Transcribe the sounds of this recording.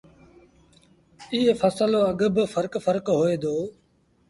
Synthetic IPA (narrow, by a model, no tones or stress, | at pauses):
ɪɦefəsəloːəɠəbfəɾkfəɾkɦoːeːd̪oː